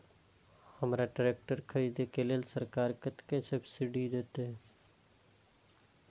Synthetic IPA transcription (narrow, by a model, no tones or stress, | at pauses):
həmɾaʈəɾeːk̚ʈəɾkʰəɾiːd̪ekelelsəɾkaːɾkət̪kesəbsɪɖid̪eːt̪eɦ